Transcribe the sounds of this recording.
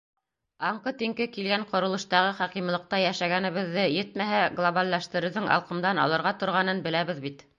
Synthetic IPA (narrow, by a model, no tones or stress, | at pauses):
ɑɴqɤt̪iŋkɘkilɡæɴqŏɾɤ̆lˠɤ̆ʃt̪ɑʁɤχɑqimlˠɤ̆q̚t̪ɑjæʃæɡænɘ̆βɘ̆ðːɘjɘt̪mæɦæɡlˠoβalːæʃt̪ɘ̆ɾɘ̆wðɘŋʔɑ̰lˠqɤ̆md̪ɑnɑ̰lˠɤ̆ɾʁɑt̪ŏɾʁɑnɤnbɘ̆læβɘðbit̪